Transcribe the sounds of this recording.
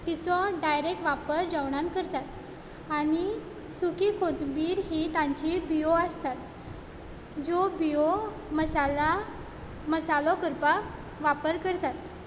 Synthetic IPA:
t̪it͡sɔɖajɾek̚ʈʋapəɾd͡zaʋɽankəɾt̪at̪ | aɽ̃i | sukikʰot̪biːɾɦit̪ãɲt͡ɕibijoəst̪at̪ | d͡zɔbio | məsala | məsalɔkəɾpa | ʋapəɾkəɾt̪at̪

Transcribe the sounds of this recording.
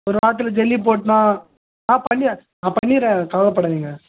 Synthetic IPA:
ɔɾɯʋaːt̪̬ːɪlɐd͡ʒɛlːip̬oːʈnãː | nãːpɐɳːɪanãːpɐɳːiːɾɛ̃kɐʋɐɭɐpːɐɽɐʋiːŋɡɐ

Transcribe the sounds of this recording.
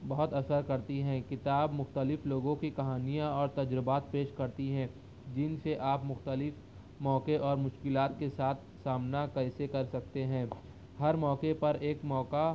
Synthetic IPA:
bɐɦʊt̪ɐsəɾkɐɾt̪iɦɛ̃kɪt̪aːbmʊxt̪əlɪfloːɡõkikɐɦaːnijãɔːɾt̪ɐd͡ʒɾəbaːt̪̚peːʃkɐɾt̪iɦɛ̃ː | d͡ʒɪnseʔaːpmʊxt̪əlɪf | mɔːkeʔɔːɾmʊʃkɪlaːt̪̚kesaːt̪̚ʰsaːmnakɐsekɐɾsɐk̚t̪eɦɛ̃ː | hɐɾmɔːkepɐɾeːkmɔːka

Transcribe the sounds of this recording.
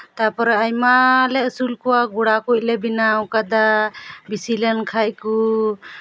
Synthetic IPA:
t̪apɔɾɔajmalɛəsulkuwaɡuɽakuʔ̚lebinawkad̪abisilɛnkʰajku

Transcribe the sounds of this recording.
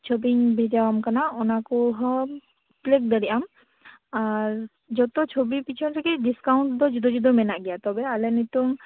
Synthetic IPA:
t͡ʃʰobiɲbʱɛd͡ʒawamkanaɔnakuɦɔ | plek̚d̪əɽiʔam | aɾ | d͡ʒɔt̪ɔt͡ʃʰobipit͡ʃʰɔnɾɛkiɖiskawɳʈ̚d̪ɔd͡ʒud̪ɔd͡ʒud̪ɔmɛnaʔɡɛjat̪ɔbɛalɛnɔt̪uŋ

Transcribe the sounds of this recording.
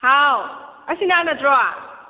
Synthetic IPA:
haw | ɐsinanadɾɔa

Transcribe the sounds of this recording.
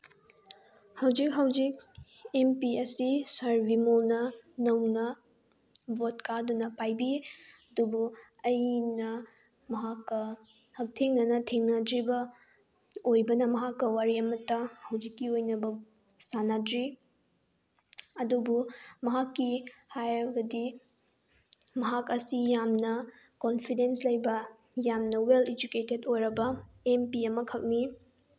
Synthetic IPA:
hɐwd͡ʒik̚ɦɐwd͡ʒik̚ | empiɐsisɐɾbʱimolnɐnɐwnɐ | botkʰadunɐpajbiɐdubu | ɐjnɐ | mɐɦakːɐ | hɐk̚tʰeŋnɐnɐtʰeŋnɐdɾibɐ | ojbɐnɐmɐɦakːɐwaɾiɐmɐtːɐhɐwd͡ʒikːiojnɐbɐ | sanadɾi | ɐdubumɐɦakːihajɡɐdi | mɐɦakɐsijamnɐ | konpʰidenslɐjbɐ | jamnɐweled͡ʒuketedojɾɐbɐ | empiɐmɐkʰɐk̚ni

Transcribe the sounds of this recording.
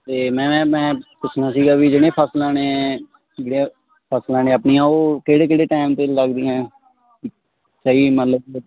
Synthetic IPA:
t̪eːmɛ̃ːmɛ̃ːpʊt͡ʃʰnaːsiːɡaːʋiːd͡ʒɪɽ̃ẽːpʰəslãːneː | d͡ʒɪɽe | pʰəslãːnẽːəpniːãːoːkeːɽeːkeːɽeːʈaːɪmt̪eːləɡd̪iːɛ̃ː | ki | səiːmət̪ləb

